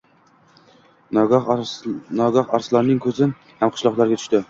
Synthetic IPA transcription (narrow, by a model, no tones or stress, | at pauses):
nɒɡɒχaɾslaɾnɪŋkʰɵzɪn | hamqʰɨ̥ʃlˠɒqlˠaɾɡʲat̪ʰʊ̥ʃt̪ɪ